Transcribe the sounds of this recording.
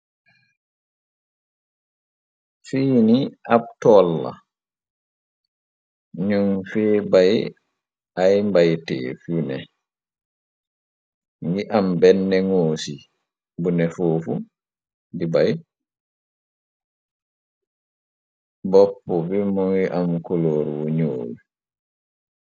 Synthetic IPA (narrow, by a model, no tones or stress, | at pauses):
fiːniʔaptɔlːa̰ | ɲuŋfɛːbaj | ʔajmbajtɛ̰ːfunɛ̰ | ŋɡiʔambɛnːɛŋoːsi | bunɛfoːfu | dibaj | bɔpːɔbimɔŋɡiʔamkuloːɾwoɲoːl